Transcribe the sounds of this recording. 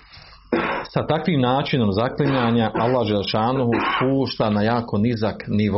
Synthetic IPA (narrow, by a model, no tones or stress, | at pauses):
sat̪akʋiːmnaːt͡ʃino̞mzakliɲaːɲaʔalˠːaːhd͡ʒeleʃaːnuɦupuːʃt̪anajaːko̞nizakniʋ